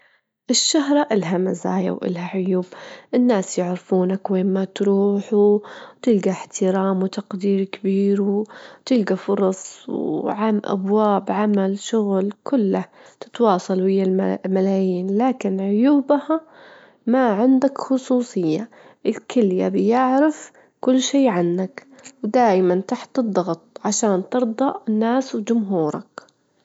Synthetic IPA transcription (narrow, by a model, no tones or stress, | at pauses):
ʔɪʃːaɦɾˤɑʔɪlɦamaza̰ːja̰wʔɪ̰lhaʕʊjuːbʔɪnːaːsjɪʕɾɪfuːnakweːnmat̪ɾˤuːħut̪ɪlɡaħt̪ɪɾaːmwɪt̪aqd̪iːɾkɪbiːɾwt̪ɪlɡafʊɾˤɑsˤwʕamʔa̰bwaːbʕamalʃʊɣlkʰʊlːat̪ɪ̥t̪wɑːsˤɑlwɪjːalmalaːjiːnlaːkɪnʕʊjuːbha | maʕɪnd̪akxʊsˤuːsˤɨjːa | ʔɪlkɪlja̰bjɪʕɾɪf | kʊlːʃeːʕanːakwd̪aːjmant̪aħt̪ɨd̪ˤːɑɣt̪ˤʕaʃaːnt̪ɨɾd̪ˤɑʔɪnːaːswd͡ʒʊmɦuːɾˤɑ̰k